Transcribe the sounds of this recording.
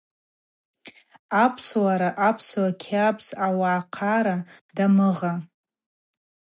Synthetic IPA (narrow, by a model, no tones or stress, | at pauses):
apʰswaɾaʔapʰswakʲʰapʰsawaʕːqʰaɾadamɨʁa